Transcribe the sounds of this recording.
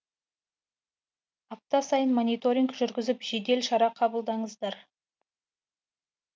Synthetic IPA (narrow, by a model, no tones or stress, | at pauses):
ɑp̚t̪ɑsɑjənmonijt̪oɾʲiŋɡʒʏɾɡʲɪzɪpʒ̥e̞d̪e̞lʃɑɾɑqʰɑbəlˠd̪ɑɴəzd̪ɑɾ